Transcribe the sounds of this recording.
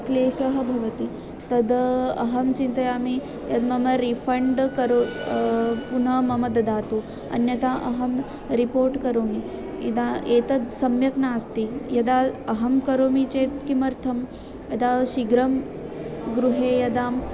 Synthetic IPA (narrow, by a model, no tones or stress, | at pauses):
kleːsɐɦɐbʱɐʋɐt̪i | t̪ɐd̪ɐɦɐmt͡ʃint̪ɐjaːmi | jɐd̪mɐmɐɾifʰɐɳɖkɐɾo | punɐmɐmɐd̪ɐd̪aːt̪uː | ɐ̰njɐt̪aʔɐɦɐm | ɾipoːɾʈkɐɾoːmi | id̪aeːt̪ɐd̪sɐmjɐknaːst̪ijɐd̪aɐɦɐmkɐɾoːmit͡ʃeːt̪kimɐɾt̪ʰɐm | jɐd̪aʃiɡɾɐm | ɡɾuɦejɐd̪aːm